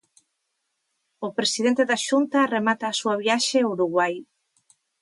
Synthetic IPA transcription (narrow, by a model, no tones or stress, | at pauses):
ʊpɾesiðent̪eðaʃunt̪ɐremat̪aːsuɐβjaʃeuɾuɣwaj